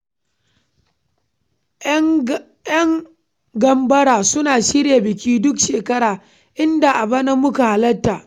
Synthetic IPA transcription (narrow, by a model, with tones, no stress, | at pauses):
jɐ˦ŋ | ɡɐ˦mbɐ˦ɽaː˨sʊ˦naː˨ʃɪ˦ɽja˨bɪ˨kʲiː˦dʊ˦kʃeː˨kɐ˦ɽaː˨ | ʔɪ˦nda˨ʔa˨bɐ˦na˦mʊ˦ka˨ha˦lɐ˦tːaː˨